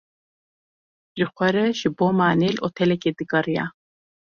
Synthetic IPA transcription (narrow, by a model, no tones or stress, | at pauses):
ʒɨxʷɛɾɛʒɨboːmaːneloːt̪ʰɛlɛkeːd̪ɨɡɐrijɑ̰